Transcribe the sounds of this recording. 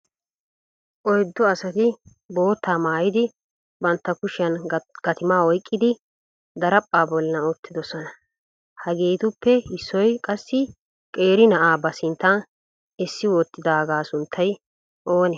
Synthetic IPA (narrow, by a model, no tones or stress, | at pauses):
ʔɔjd̪ːɔɐsɐt̪ɪ | bo̞ːt̪ːaːmaːjɪd̪ɪ | bɐnt̪ːɐkʊʃɪɐnɡ̥ɐt̪ɪmaːɔjkʼːɪd̪ɪ | d̪ɐɾɐpʼːaːbɔlːɐɔt̪ːɪd̪ɔsɔnɐ | hɐɡe̞ːt̪ʊpːɛhɪsːɔjkʼɐsːɪ | kʼe̞ːɾɪnɐʔaːbɐsɪnt̪ːan | ɪsːɪwɔt̪ːɪd̪aːɡaːsʊnt̪ʰːɐj | ʔoːnɛ